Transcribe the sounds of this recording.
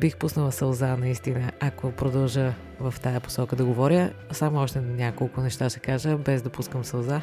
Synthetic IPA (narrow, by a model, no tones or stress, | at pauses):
bixpusnəlˠəsɐlˠzanɐist̪inəʔakopɾod̪ɐlˠʒə | vɐft̪ajɐpo̥sɔkəd̪ɐɡovɔɾʲjəsamoɔʃt̪ɛnnʲakolˠkʊnɛʃt̪aʃɛkaʒəbɛzd̪ɐpuskəmsɐlˠza